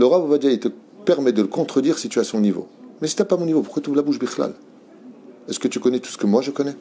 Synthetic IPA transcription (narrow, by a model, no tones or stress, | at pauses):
ləʁabovad͡ʒ̪jait̪ə | pɛʁmɛd̪ələkɔ̃t̪χəd̪iʁsit̪yasɔ̃nivo̰mɛsə̥t̪ɛpamɔ̃nivopuʁkwat̪uvlabuʒbiχla̰l | ɛskət̪ykɔnɛt̪u̥sə̥kəmwaʒəkɔnɛ